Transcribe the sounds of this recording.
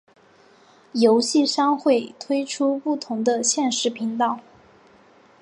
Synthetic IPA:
jo˧˥ʊɕi˥˩ʂɑ˥ŋxwe˥˩ɪt̪ʰwe˥ɪʈ͡ʂʰu˥pu˥˩t̪ʰʊ˧˥ŋd̪ə˧ɕjɛ˥˧nʂɻ̩˧˥pʰi˧˥ŋt̪ɑ˥˩ʊ

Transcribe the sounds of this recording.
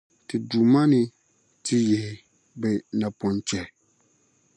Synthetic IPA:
tɨ˨du˨ma˦nɪ˨ | tɪ˦jɛ˨hɪ˨ | bɛ˨na˨pɔ˨nt͡ʃɛ˨

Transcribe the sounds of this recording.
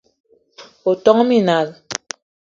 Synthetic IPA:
o˨tɔ˦ŋ˦mi˦na˨l

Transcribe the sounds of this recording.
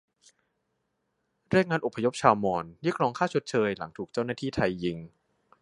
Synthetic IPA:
ɾi˥˩əkŋaː˧nʔo˨˩pʰːa˧jo˦˥p̚t͡ɕʰaː˧wmɔː˧njɯː˦˥˩k̚ɾɔː˧ŋkʰaː˥˩t͡ɕʰo˦˥t̪̚t͡ɕʰɤː˧jla˩˦ŋt̪ʰuː˨˩k̚t͡ɕa˥˩wnaː˥˩iː˥˩t̪ʰa˧jːi˧ŋ

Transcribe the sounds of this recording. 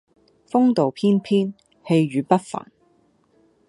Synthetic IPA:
fʊ˥ŋt̪o˨wpʰiː˥npʰiː˥n | he˧jɥyː˨˧pɐ˥t̚fa̰ː˨˩n

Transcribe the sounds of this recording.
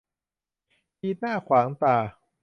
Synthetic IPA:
ʔiː˧naː˥˩kʰwaː˩˦ŋt̪aː˨˩

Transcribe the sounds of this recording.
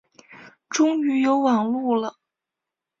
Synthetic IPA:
ʈ͡ʂʊ˥ŋy˧˥jo˧˥ʊwɑ˨˩ŋlu˥˩lə˩

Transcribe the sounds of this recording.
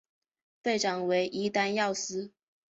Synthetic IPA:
pe˥˩ɪʈ͡ʂɑ˨˩ŋwe˧˥ɪʔi˧˥t̪a˥njɑ˥˨˩ʊsɹ̩˥

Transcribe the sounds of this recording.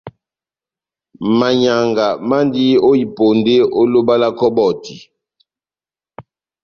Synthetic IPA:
ma˨ɲa˨ŋɡa˨ma˦ndi˦o˦i˨po˨nde˦o˦lo˦ba˦la˦kɔ˦bɔ˦˨ti˨

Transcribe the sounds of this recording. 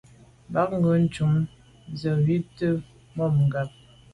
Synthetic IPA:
ba˨˦k̚ŋ̩˦ɡə˨˦n̩˦t͡ʃu˨˦ŋ | zə˨ɥi˦tə˦ | mɔ˦˨mŋ̩˨ɡa˨p̚

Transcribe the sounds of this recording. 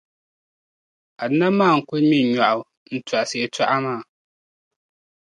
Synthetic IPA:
a˨dɨ˦na˦maː˦˨ŋ̩˨kʊ˦mi˦n˨ɲa˨ʔʊ˨ | n̩˦ta˨ʔa˨se˨e˨ta˦ʔa˦maː˦˨

